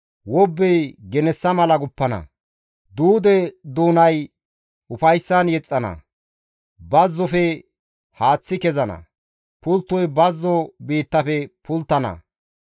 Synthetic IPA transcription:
wɔbːɛjɡɛnɛsːɐmɐlɐɡʊpːɐnɐ̰ | d̪uːd̪ɛd̪uːnɐj | ʊfɐjsːɐnjɛt͡sʼːɐnɐ̰ | bɐzːɔfɛ | haːt͡sːɪkɛzɐnɐ̰ | pʊlt̪ːɔjbɐzːɔbiːt̪ːɐfɛpʰʊlt̪ːɐnɐ̰

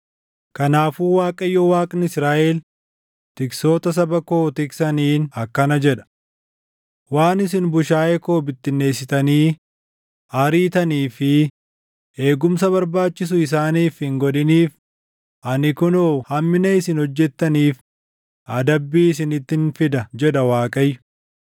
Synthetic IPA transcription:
kɐnaːfuːwaːkʼɐjːoːwaːkʼnɪɪsɾaːʔel | t̪ɪkso̞ːt̪ɐs̬ɐbɐkoːt̪ɪksɐniːnɐkːɐnɐd͡ʒɛᶑɐ̥ | waːnɪs̬ɪnbʊʃaːjɛko̞ːbɪt̪ːɪnːe̞ːsɪt̪ɐniː | ɐɾiːt̪ɐniːfɪ | ʔe̞ːɡʊmsɐβɐɾbaːt͡ʃːɪs̬ʊɪs̬aːniːfhɪŋɡɔᶑɪniːf | ʔɐnɪkʊnoːhɐmːɪnɐɪsɪnhɔd͡ʒːɛt̪ːɐniːf | ɐd̪ɐbːiːɪsɪnɪt̪ːɪnfɪd̪ɐd͡ʒɛᶑɐwaːkʼɐjːʊ̥

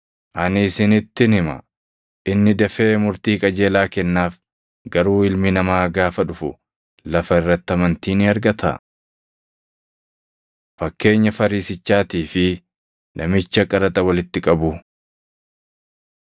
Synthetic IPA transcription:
ʔɐnɪsɪnɪt̪ːɪnɪmɐ̰ | ʔɪnːɪd̪ɐfe̞ːmʊɾt̪iːkʼɐd͡ʒe̞ːlaːkɛnːaːf | ɡɐɾuːɪlmɪnɐmaːɡaːfɐᶑʊfʊ̰ | lɐfɐɪrːɐt̪ːɐmɐnt̪iːnɪɐɾɡɐt̪ʰɐ̰ | fɐkːe̞ːɲːɐfɐɾiːsɪt͡ʃːaːt̪iːfɪ | nʔɐmɪt͡ʃːɐkʼɐɾɐt̪ʼɐwɐlɪt̪ːɪkʼɐbʊ

